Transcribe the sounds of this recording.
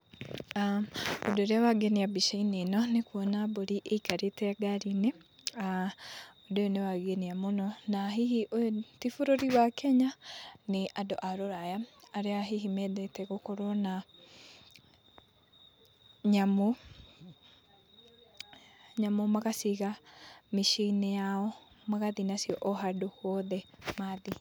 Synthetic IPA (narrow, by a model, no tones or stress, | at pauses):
aodoɾeawaɡeniabiʃainenɔnekwɔnaβoɾiʔeikaɾetɛaɡaɾinea | odeonewaɡeniamonɔnaɦihiʔotifoɾoɾiβakʰɛɲaneʔado̰ʔaɾoɾajaːɾeaɦiɦimɛðɛtɛɣokɔɾɔna | ɲamo | ɲamɔmaɣasiɣamiʃinɛjaɔ | maɣaðinasiɔʔɔɦadohwɔðɛmaði